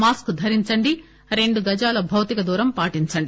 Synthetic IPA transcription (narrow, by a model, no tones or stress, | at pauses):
maːskd̪ʱɐɾiɲt͡ʃɐɳɖi | ɾe̞ɳɖuɡɐd͡ʒaːlɐbʱɐwt̪ikɐd̪uːɾɐmpaːʈiɲt͡ʃɐɳɖi